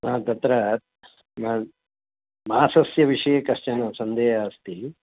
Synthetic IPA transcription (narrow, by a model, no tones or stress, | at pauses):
aːt̪ɐt̪ɾɐ | m | mɐaːsɐsjɐʋiʂɐjɐkɐʂt͡ʃɐnɐsɐnd̪eːɦɐːst̪i